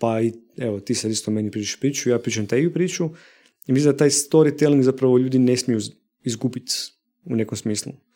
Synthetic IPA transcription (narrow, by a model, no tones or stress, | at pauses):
pai | eʋot̪isad̪ist̪omenipɾiːt͡ʃaʃu̥pɾiːt͡ʃuijaːpɾiːt͡ʃamt̪eɡiupɾiːt͡ʃu | imislimd̪at̪aːjst̪o̞ɾit̪elĩŋɡzapɾaʋoʎuːd̪inesmjiju | izɡubit̪ | une̞komsmiːslˠṵ